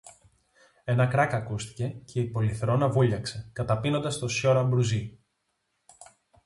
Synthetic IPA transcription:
e̞nɐkɾɐkɐkust̪i̥ce̞cʰe̞ipo̞liθɾo̞nɐvuʎɐkse̞kɐt̪ɐpino̞nd̪ɐst̪o̞sço̞ɾɐmbɾuzi

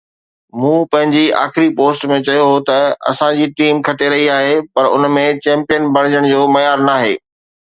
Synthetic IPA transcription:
mũːpɐ̃ɦɪ̃ɲd͡ʑia̰ːxɪɾipoːsʈmẽt͡ɕɐjoɦot̪ɐɐ̰sãd͡ʑiːʈiːmkʰɐʈeɾɐɦiaːɦepɐɾʊ̰nmẽt͡ɕɛ̃ːmpijənbɐɽ̃ɪd͡ʑəɽ̃d͡ʑoːmɐjaːɾnaːɦḛː

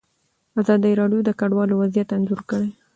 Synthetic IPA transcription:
azɑd̪əjɾɑɖjod̪əkaɖwɑlowazijat̪nzuɾkəɽe

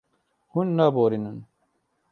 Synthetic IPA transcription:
hunːaboːɾinɐn

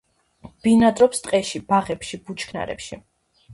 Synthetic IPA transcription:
b̥inad̪ɾɔpst̪ʼqʼɛʃib̥aʁɛpʃib̥ut͡ʃʰkʰna̰ɾɛ̰pʃi

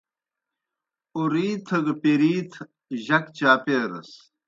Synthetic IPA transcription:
uɾiːt̪ʰɐɡpeɾiːt̪ʰ | ʑɐkt͡ɕaːpeːɾɐ̰s

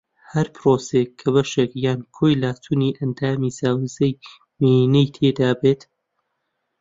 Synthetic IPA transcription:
hɐɾpʰɾoːsekʰːɐβɐʃekjaːnkʰoːjlaːt̪ʰuːniʔɐnd̪aːmizaːwizɐj | minejt̪ʰeːd̪aːbeːt̪

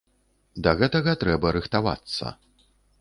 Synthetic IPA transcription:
d̪ɐɣɛt̪ɐɣɐt̪ɾɛbɐɾɨxt̪ava̰t̪sːɐ̰

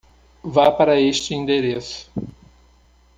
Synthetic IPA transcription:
vapaɾɐeʃt͡ʃɪĩnd̪eɾesʊ̥

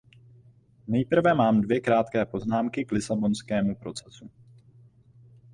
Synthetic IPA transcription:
nɛjpr̩vɛmaːmdvjɛkɾaːt̪kɛːpo̞znaːmkɪklɪsabo̞nskɛːmupɾo̞t͡sɛsu

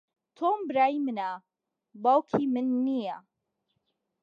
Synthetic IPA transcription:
t̪ʰoːmbɨɾaːjimɨna | bawkʰimɨnːija

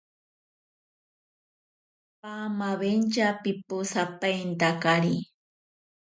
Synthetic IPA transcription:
pamaβent͡ʃapɪpʊsapajnt̪akaɾi

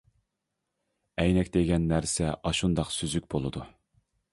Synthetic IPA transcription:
ɛjnɛkʲd̪eɡʲɛnːæɾsɛʔɑʃund̪ɑqsyzykʲbolˠɨd̪u

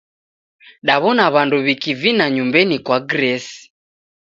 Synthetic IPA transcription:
ɗaβɔnaβanduβikivinaɲumbɛnikwaɡɾɛsi̥

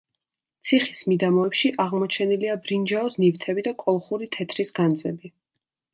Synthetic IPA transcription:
t̪sʰiχismid̪amɔɛpʃiʔaʁmɔt͡ʃʰɛniliabɾind͡ʒaɔsnivt̪ʰɛbid̪akʼɔlˠχuɾit̪ʰɛt̪ʰɾisɡand̪zʼɛbi

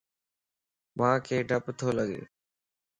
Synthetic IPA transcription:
mãːkʰeːɖʱəpt̪ʰoːləɠḛː

